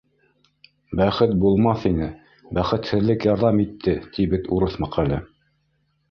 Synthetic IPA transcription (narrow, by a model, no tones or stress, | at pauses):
bæχɘt̪̚bulˠmɑθinɘ | bæχɘ̆t̪hɘ̆ðlɘkjɑɾðɑmit̪ʰːɘt̪ʰiβɘt̪uɾɤθmɑqælɘ